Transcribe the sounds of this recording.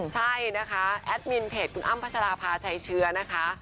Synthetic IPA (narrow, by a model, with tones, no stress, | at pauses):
t͡ɕʰa˥˩jna˦˥kʰa˦˥ʔɛː˦˥t̪̚mi˧npʰeː˨˩t̪̚kʰu˧nʔa˥˩mpʰa˦˥sa˧ɾaː˧pʰaː˧t͡ɕʰa˦˥jt͡ɕʰɯ˦˥ɐna˦˥kʰa˦˥ʔ